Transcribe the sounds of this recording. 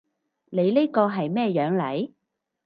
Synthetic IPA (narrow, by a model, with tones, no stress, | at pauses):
ne˨˧jle˥kɔː˧ɦɐ˨jmɛː˥jœː˨˥ŋlɐ˨˥j